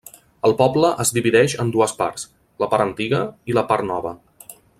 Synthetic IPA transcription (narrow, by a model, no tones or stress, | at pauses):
əlˠpɔbləʔəzd̪iβiðɛʃənd̪uəspa̰ɾs | ləpaɾənt̪iɣəiləpaɾt̪nɔβə